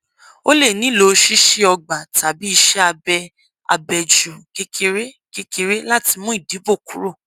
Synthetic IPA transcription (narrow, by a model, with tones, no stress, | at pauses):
o˦le˦˨nĩ˦˨lo˧˦˧ʃi˦ʃi˦ɔ˧ɡ͡ba˨ta˨bi˦i˧ʃɛ˦a˧bɛ˧ | a̰˧bɛ˨d͡ʒu˨ke˦ke˧ɾe˦ | ke˧ke˧ɾe˦la˦ti˧mũ˦i˦˨di˨˦bo˦˨ku˨˦ɾo˦˨